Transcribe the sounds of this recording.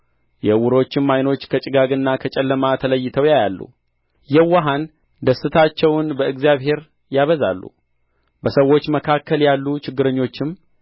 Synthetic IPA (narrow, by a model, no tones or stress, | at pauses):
jɛwʊɾo̞t͡ʃːɪmːajno̞t͡ʃːkʰət͡ʃʼɪɡaɡɨnːakʰət͡ʃʼɛlːəmat̪ʰələjːɪt̪ʰəwjajalːṵ | jɛwaɦan | d̪əsːɨt̪ʰat͡ʃːɛwnbəɨɡzjaβhe̞ɾ | jaβəza̰lːṵ | bəsəwːo̞t͡ʃːməkʰakʰːəljalːut͡ʃɪɡːɨɾəɲːo̞t͡ʃːɪm